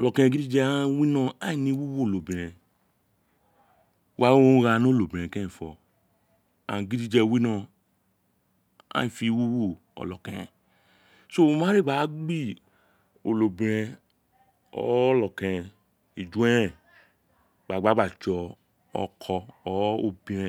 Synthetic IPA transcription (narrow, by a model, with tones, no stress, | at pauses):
ɔ˨lɔ˨kɛ̃˧ɛ̃˧ɡi˦di˦d͡ʒɛ˧a˦wi˦nɔ̃˦˨a˦i˨nĩ˧˦wu˦wo˦o˨lo˨bi˨ɾɛ̃˨ | wa˦wo˦ɾa˧no˦lo˨bĩ˨ɛ̃˨kɛ̃˦ĩ˨fɔ˨ | ã̰˨ɡi˦di˦d͡ʒɛ˧wi˦nɔ̃˦˨ | a̰˦ĩ˨fi˧˦wu˦wo˦˨ | ɔ̰˨lɔ˨kɛ̃˨ɛ̃˨ | so˦˧˨mã˦ɾe˦˨ɡ͡ba˨˦ɡ͡bi˦ | o˨lo˨bĩ˨ɾɛ̃˧ | ɔ̰˨˦ɔ˦lɔ˨kɛ̃˨ɛ˨ | i˨d͡ʒu˨˦ɛ˦ɾɛ̃˦˨ | ɡ͡ba˨ɡ͡ba˨˦ɡ͡ba˦˨t͡ʃɔ˨˧ | ɔ̰˨˧kʰɔ˧ɔ˨˦o˧bĩ˨˧ɾɛ̃˧˨